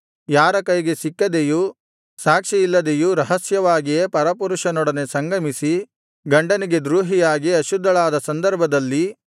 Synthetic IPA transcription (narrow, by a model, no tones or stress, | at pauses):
jaːɾɐkɐjɡe̞sikːɐd̪eju | saːkʂijilːɐd̪e̞juɾɐɦɐsjɐʋaːɡijepɐɾɐpuɾuʂɐnɔɽɐne̞sɐŋɡɐmisi | ɡɐɳɖɐniɡe̞d̪ɾuːɦijaːɡiɐʃud̪ʱːɐɭaːd̪ɐsɐnd̪ɐɾbʱɐd̪ɐlːi